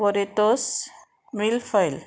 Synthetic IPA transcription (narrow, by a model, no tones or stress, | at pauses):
oɾet̪os | milfəjl